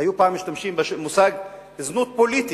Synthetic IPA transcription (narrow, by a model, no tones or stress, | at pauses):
ajupaːmːiʃt̪amʃimbeʃemusaɡ | znut̪̚polit̪i